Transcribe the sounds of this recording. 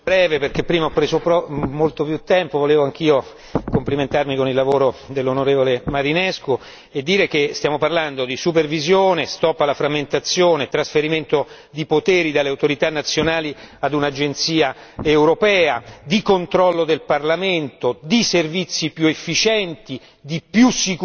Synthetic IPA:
bɾɛːveperk̟epːɾiːmaɔpːɾeːzopɾɔmolt̪opjut̪ːɛmpovoleːvoaŋk̟iːo | kompliment̪armikonilːavoːɾod̪elːonoɾeːvolemaɾinɛsku | ed̪ːiːɾekest̪jaːmoparland̪od̪isupervizjoːnest̪ɔpːalafɾamːent̪at̪sːjoːnet̪ɾasfeɾiment̪o | d̪ipot̪eːɾid̪alːeawt̪oɾit̪anːat̪sːjonaːliad̪unad͡ʒent̪siːaewɾopɛːad̪ikont̪ɾɔlːod̪elparlament̪od̪iservit̪sːipjuefːit͡ʃɛnt̪i | d̪ipjusːik

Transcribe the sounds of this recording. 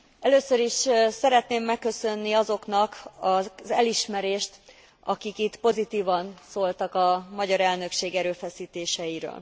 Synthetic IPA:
ɛløːsøɾiʃsɛɾɛt̪neːmːɛkːø̞sø̞nːiɒzo̞knɒkɒzɛliʃmɛɾeːʃt̪ | ɒkikit̪po̞zit̪iːvɒnsoːlt̪ɒkɒmɒɟɒɾɛlnø̞kʃeːɡɛɾøːfɛsiːt̪eːʃɛjiɾø̰ːl

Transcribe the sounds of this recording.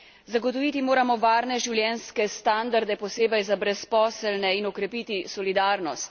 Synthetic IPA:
zaɡɔt̪ɔʋiːt̪imoːɾamɔʋaːɾnɛʒiwljɛːnskɛst̪and̪aɾd̪ɛpɔseːbɛjzabɾɛspɔːsəlnɛinɔkɾɛpiːt̪isɔlid̪aɾnɔst̪

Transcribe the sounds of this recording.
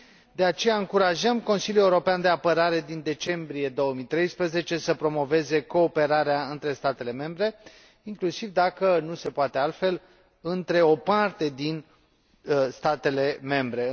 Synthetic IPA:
d̪e̞at͡ʃe̞jaɨŋkuɾaʒəmko̞nsiljuuɾo̞peand̪eapəɾaɾe̞d̪ind̪e̞t͡ʃe̞mbɾije̞d̪o̞wəmit̪ɾe̞jspɾəze̞t͡ʃe̞səpɾo̞mo̞ve̞ze̞ko̞ːpe̞ɾaɾeaɨnt̪ɾe̞st̪at̪e̞le̞me̞mbɾe̞ | iŋklusivd̪akənuse̞poat̪e̞alt̪fe̞l | ɨnt̪ɾe̞o̞part̪e̞d̪in | st̪at̪e̞le̞me̞mbɾe̞

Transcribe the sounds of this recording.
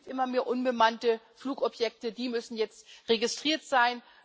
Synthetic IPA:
tʔɪmɐmeːɐʔʊnbəmantəfluːkʔɔpjɛk̚tədiːmʏsn̩jɛt͡stʁeɡɪstʁ̥iːɐtz̥aɪn

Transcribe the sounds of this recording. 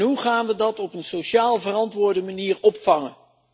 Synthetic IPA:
ɦuχaːnʋədɑtɔpənsoʃaːlˠvərɑntʋʊːɹdəmaniːɹɔpfɑŋən

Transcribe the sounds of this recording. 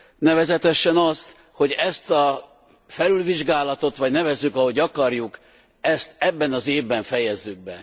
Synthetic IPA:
nɛvɛzɛt̪ɛʃɛnɒst̪ | ho̞ɟɛst̪ɒ | fɛlylviʒɡaːlɒt̪o̞t̪ʋɒɟnɛvɛzːykɒɦo̞ɟɒkɒrjuk | ɛst̪ɛbːɛnɒzeːvbɛɱfɛjɛzːyɡ̚bɛ

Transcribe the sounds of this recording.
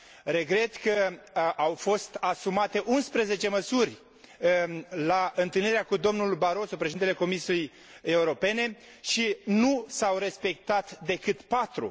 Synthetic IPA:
ɾe̞ɡɾe̞t̪kəʔawfo̞st̪asumat̪e̞ʔunspɾəze̞t͡ʃe̞məsurʲ | laʔɨnt̪ɨlniɾeakud̪o̞mnulbaɾo̞so̞pɾeʃed̪it̪ele̞ko̞misijej | e̞uɾo̞pe̞ne̞ | ʃinusawɾe̞spe̞k̚t̪at̪d̪e̞kɨt̪pat̪ɾṵ

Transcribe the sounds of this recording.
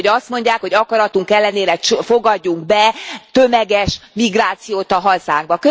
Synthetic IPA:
ɒst̪mo̞ɲɟaːkhoɟɒkɒɾɒt̪uŋkɛlːɛneːɾɛt͡ʃfo̞ɡɒɟːuŋɡ̚bɛt̪ømɛɡɛʃmiɡraːt̪sijoːt̪ɒɦɒzaːŋɡ̚bɒkø

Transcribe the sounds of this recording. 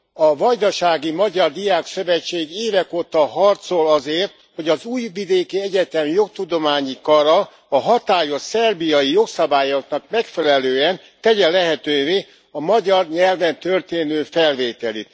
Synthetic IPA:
ɒvɒjd̪ɒʃaːɡimɒɟɒrd̪ijaːksøvɛt͡ʃːeːɡeːvɛkoːt̪ɒɦɒrt̪so̞lɒzeːrt̪ | ho̞ɟɒzuːjvid̪eːkiɛɟɛt̪ɛmjo̞k̚t̪ud̪o̞maːɲikɒɾɒ | ɒɦɒt̪aːjo̞ʃsɛrbijɒjijo̞ksɒbaːjoknɒkmɛkfɛlɛløːɛn | t̪ɛɟɛlɛɦɛt̪øːveː | ɒmɒɟɒrɲɛlvɛnt̪ørt̪eːnøːfɛlveːt̪ɛlḭt̪

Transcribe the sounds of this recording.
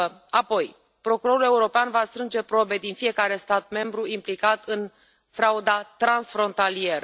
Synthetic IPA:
apo̞j | pɾo̞kuɾo̞ɾule̞uɾo̞peanvast̪ɾɨnd͡ʒe̞pɾo̞be̞d̪infije̞kaɾe̞st̪at̪̚me̞mbɾuimplikat̪ɨn | fɾaud̪at̪ɾansfɾo̞nt̪alie̞ɾə

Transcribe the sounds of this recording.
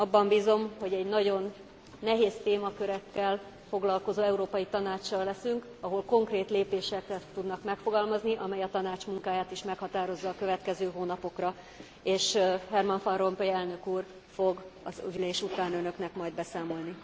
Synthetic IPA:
ɒbːɒmbiːzo̞mho̞ɟɛɟnɒɟo̞nː | ɛɦeːst̪eːmɒkø̞ɾɛkːɛl | fo̞ɡlɒlko̞zoːɛuɾoːpɒjit̪ɒnaːt͡ʃːɒlːɛsyŋk | ɒɦo̞lko̞ŋkreːt̪leːpeːʃɛkrɛt̪ːud̪nɒkmɛkfo̞ɡɒlmɒzniʔɒmɛjɒt̪ɒnaːt͡ʃmuŋkaːjaːt̪iʃmɛkhɒt̪aːɾo̞zːɒːkø̞vɛt̪kɛzøːɦoːnɒpo̞krɒ | eːʃhɛrmɒɱfɒnro̞mpøjɛlnø̞kuːr | fo̞ɡɒzyleːʃut̪aːnønø̞knɛkmɒjd̪̚bɛsaːmo̞lni

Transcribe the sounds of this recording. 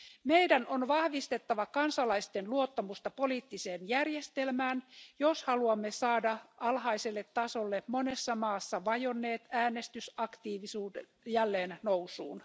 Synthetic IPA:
mejdænonʋɑhʋist̪et̪ːɑʋɑkɑnsɑlɑist̪enluot̪ːɑmust̪ɑpo̞liːt̪ːiseːnjærjest̪elmæːnjoshɑluɑmːesɑːdɑɑlɦɑiselːet̪ːɑsolːemonesːɑmɑːsːɑʋɑjonːe̞ːt̪æːnest̪ysɑkt̪iːʋisuːde | jælːeːnnowsṵːn

